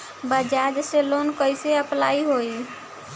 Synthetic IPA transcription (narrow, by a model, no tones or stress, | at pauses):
bəd͡ʒad͡ʒselonkəjseəplaiɦoj